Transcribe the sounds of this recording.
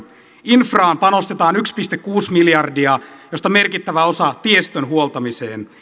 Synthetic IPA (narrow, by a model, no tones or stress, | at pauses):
infrɑːmpɑno̞st̪et̪ɑːnykspist̪ekkuːsmiljɑrdiɑjost̪ɑme̞rkit̪ːæʋæo̞sɑt̪iest̪ønɦuolˠt̪ɑmisḛːn